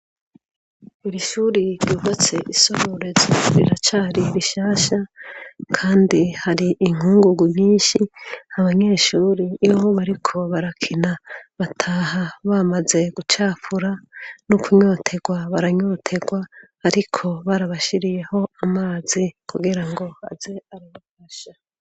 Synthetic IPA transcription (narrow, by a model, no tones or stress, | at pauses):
iɾiʃuːɾiɾɟuβot͡se̞ʔiso̞ɾoɾezoɾḭɾat͡ʃaɾiɾiʃaːʃakʰaːndihaɾiʔːŋ̥huːŋɡuɡumɲiːnʃihaβaɲe̞ːʃuːɾioβoβaɾikʰo̞βaɾakʰinaβatʰaːhaβamaze̞ɡ̥ut͡ʃaːfuɾanukuɲo̞ːtʰe̞ɡwaβaɾaɲo̞tʰe̞ɡwaː | ɾikʰo̞βaɾaβaʃiɾije̞ho̞amaːzikʰuɡiɾaŋɡo̞a̰ze̞aɾaβafaʃa